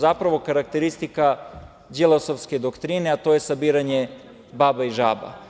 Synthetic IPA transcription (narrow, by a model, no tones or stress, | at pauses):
zapɾaʋo̞kaɾak̚t̪eɾist̪ika | d͡ʒilˠosofsked̪okt̪ɾineat̪o̞jesabiːɾaɲe | baːbaiʒa̰ːba̰